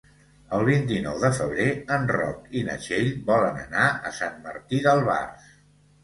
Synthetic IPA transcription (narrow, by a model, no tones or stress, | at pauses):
əlˠβ̞int̪̬inɔwðəfəβ̞ɾeənrɔ̰kinə̰ʒeʎβɔlənə̰naəsanmə̰ɾt̪iðəlˠβa̰rs